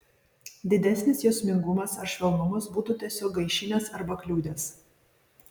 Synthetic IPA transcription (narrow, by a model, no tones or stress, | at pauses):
d̪ʲɪd̪ʲæsʲnʲɪsjoːsʲmʲɪŋɡʊmɐsɐɾʃʲʋʲɛlˠnʊmɐsbuːt̪uːt̪ʲiɛsʲoːk̚ɡɐɪʃʲɪnʲɛsɐɾbɐklʲuːd̪ʲeːs